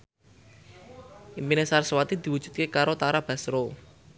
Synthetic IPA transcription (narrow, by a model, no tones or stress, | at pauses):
iminesarsəwat̪id̪̥i̤wud̥ʒ̥ṳt̪̚kekaɾot̪aɾab̥a̤sɾo